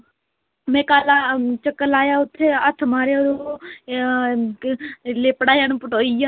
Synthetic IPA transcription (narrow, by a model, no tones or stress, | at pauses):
mɛ̃ːkaːlaːt͡ʃəkːəlaːjaːʊt̪ʰːeːət̪ʰmaːɾed̪o | leːpəɽaːjaːnũːpəʈoːijaː